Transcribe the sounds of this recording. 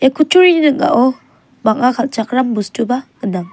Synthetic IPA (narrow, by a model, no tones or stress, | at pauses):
ekʰut͡ʃʰuɾinɯk̚a̰ʔɔ | baŋ̚akʰalt͡ʃak̚ɾambustuba | ɯnaŋ